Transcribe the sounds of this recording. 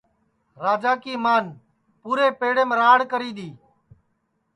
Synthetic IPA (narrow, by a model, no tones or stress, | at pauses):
ɾaːd͡ʒaːkiːmaːn | puːɾeːpeːɽeːmɾaːɽkəɾiːd̪iː